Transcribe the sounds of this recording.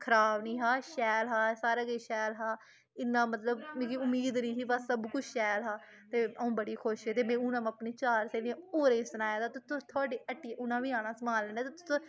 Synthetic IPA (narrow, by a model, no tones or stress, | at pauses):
kʰəɾaːbniːɦaːʃɛːlɦaːsaːɾaːkeːʃɛːlɦaː | ɪnːãːmət̪ləbmẽːkiʊmiːd̪niːsiːbassəbkʊt͡ʃʰʃɛːlɦaː | t̪eːəũːbəɽiːkʰoʃeːt̪eːmẽːʊnãːməpneːt͡ʃaːɾseːlẽoːɾẽːsənaːjaːd̪aːt̪ʊt̪ʰõːt̪ʰoaːɖeːʔəʈːiʔʊnãːʋiːãːnãːsəmaːləneːt̪ːt̪ʊsõː